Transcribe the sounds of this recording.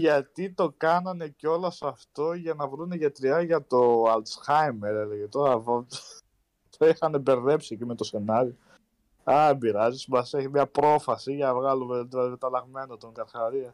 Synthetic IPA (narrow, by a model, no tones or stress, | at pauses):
ʝɐt̪it̪o̞kɐnɐne̞ceo̞lɐsɐft̪o̞ʝɐnɐvɾuneʝɐt̪ɾiɐʝɐt̪o̞ɐlt̪sxɐjmeɾele̞ʝe̞t̪o̞ɾɐv | t̪ixɐne̞be̞ɾðe̞psiecime̞t̪ose̞nɐɾio | ɐbiɾɐzismɐseçimɲɐpɾo̞fɐsiʝɐnɐvɣɐlumeðilɐðiit̪ɐlɐɣme̞nɐt̪oŋɡɐɾxɐɾiɐ